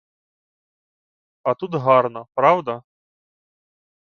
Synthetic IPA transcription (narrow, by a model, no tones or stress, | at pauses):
ɐt̪ut̪ɣarnɐpɾawd̪ɐ